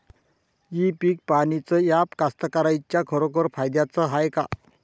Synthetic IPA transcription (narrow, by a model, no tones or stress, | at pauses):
ipiːk̚paɽ̃it͡səjapkast̪əkaɾajt͡ɕjakʰəɾokəɾfajd̪jat͡səɦajka̰